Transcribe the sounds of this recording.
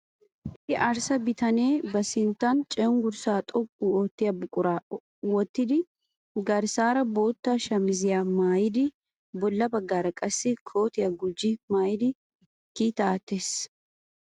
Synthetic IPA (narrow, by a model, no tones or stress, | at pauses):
ɪt̪ːɪʔɐɾsɐbɪt̪ɐneːbɐsɪnt̪ant͡ʃʼɛʊŋɡʊɾsaːt̪ʼɔkʼːuɔt̪ːɪjɐbʊkʼʊɾaː | wɔt̪ːɪd̪ɪ | ɡɐɾsaːɾɐboːt̪ːaʃɐmɪzɪjamaːjɪd̪ɪ | bɔlːɐbɐɡːaːɾɐkʼɐsːɪkʰoːt̪ɪjɐɡʊd͡ʒimaːjɪd̪ɪ | kiːt̪aːt̪ːes